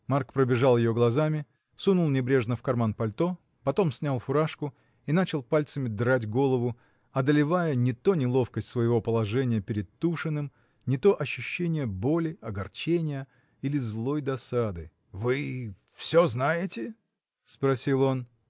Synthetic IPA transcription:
markpɾəbʲɪʐalˠjɪjo̞ɡlˠɐzamʲɪ | sunulˠnʲɪbɾʲe̞ʐnəfkɐrmanpɐlʲt̪o̞ | pɐt̪o̞msʲnʲalˠfʊɾaʂkʊ | inat͡ɕɪlˠpalʲt̪səmʲɪd̪ɾatʲɡo̞lˠəvʊ | ɐd̪əlʲɪvajənʲɪt̪o̞nʲɪlˠo̞fkəsʲtʲsvəjɪvo̞pəlˠɐʐɛnʲɪjəpʲɪɾʲɪd̪̚t̪ːuʂɨnːɨm | nʲɪt̪o̞ʔɐɕːʉɕːenʲɪjəbo̞lʲɪɐɡɐrt͡ɕenʲɪjə | ilʲɪzlˠo̞jd̪ɐsad̪ɨ | vɨ | fsʲoznajɪtʲɪ | spɾɐsʲilˠo̞n

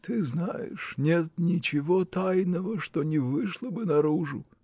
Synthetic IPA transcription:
t̪ɨznajɪ̰ʂnʲe̞t̪nʲɪt͡ɕɪvot̪ajnəvəʂt̪onʲɪvɨʂlˠəbɨnɐɾuʐʊ̰

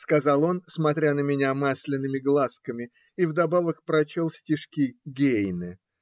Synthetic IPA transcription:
skɐzɑlˠo̞nsmɐt̪ɾʲanəmʲɪnʲamasʲlʲɪnːɨmʲɪɡlˠaskəmʲɪ | ivd̪ɐbavəkpɾɐt͡ɕolˠfsʲtʲɪʂkʲiɡʲejnɨ

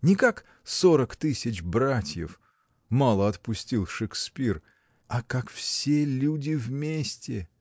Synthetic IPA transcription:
nʲɪkak | soɾəkt̪ɨsʲɪt͡ɕbɾatʲjɪ̰f | malˠəɐt̪pʊsʲtʲilˠʂɨkspʲir | ɐkakfsʲelʲudʲɪvmʲesʲtʲɪ

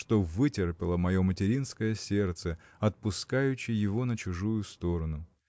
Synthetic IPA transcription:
ʂt̪o̞vɨtʲɪrpʲɪlˠəmɐjo̞mətʲɪɾʲinskəjəsʲe̞rt̪səɐt̪̚pʊskajʉɕːɪjjɪvo̞nət͡ɕʊʐujʊst̪o̞ɾənʊ

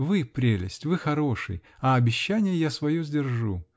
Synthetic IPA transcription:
vɨpɾʲelʲɪ̰sʲtʲvɨxɐɾo̞ʂɨ̰jɐɐbʲɪɕːænʲɪjəjasvɐjozʲdʲɪrʐu

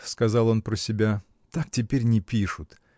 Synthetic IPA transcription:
skɐzɑlˠo̞npɾəsʲɪbʲa | t̪ak̚tʲɪpʲeɾʲnʲɪpʲiʂʊt̪

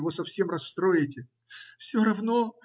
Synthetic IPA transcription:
vo̞sɐfsʲe̞mrɐsːt̪ɾo̞jɪtʲɪ | fsʲoɾɐvno

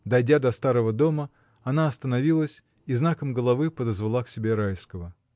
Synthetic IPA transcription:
d̪ɐjdʲad̪ɐst̪aɾəvəd̪o̞mə | ɐnaɐst̪ənɐvʲilˠəsʲ | iznakəmɡəlˠɐvɨpəd̪əzvalˠaksʲɪbʲe̞ɾajskəvə

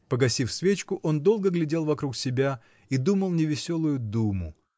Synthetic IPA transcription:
pəɡɐsʲifsvʲet͡ɕkʊʔo̞nd̪o̞lˠɡəɡlʲɪdʲe̞lˠvɐkɾuksʲɪbʲa | id̪uməlˠnʲɪvʲɪsʲo̞lˠʊjʊd̪umʊ̰

